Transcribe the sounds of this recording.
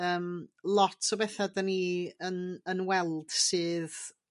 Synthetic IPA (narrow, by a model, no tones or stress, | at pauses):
əːmlˠɔtʰɔbɛθadaniənənwɛlˠd̥sɨːð